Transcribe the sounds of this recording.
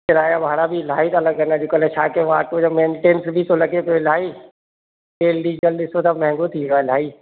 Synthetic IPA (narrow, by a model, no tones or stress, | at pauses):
ɪɾaːjabʱaːɽabʱilaːit̪ːləɡənãd͡ʒokəlet͡ʃʰaːkeʋaːkod͡ʒamẽːɳʈeːnsbʱit̪olɐɡepolaːi | ʈeːlɖiːd͡ʒəldɪsot̪amɛ̃ɦɪ̃ŋɡot̪ʰial̤aːiː